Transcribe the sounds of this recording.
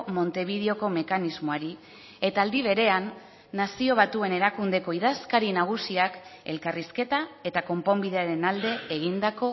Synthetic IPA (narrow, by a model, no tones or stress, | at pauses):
mo̞nt̪e̞β̞ið̞eo̞ko̞me̞kanizmoaɾi | e̞t̪aːld̪iβ̞e̞ɾe̞anː | asio̞β̞at̪ue̞ne̞ɾakund̪e̞ko̞iðaskaɾinaɣ̞usiake̞̰lkariske̞t̪ae̞t̪ako̞mpo̞mbiðe̞aɾe̞nald̪e̞ːɣind̪ako̞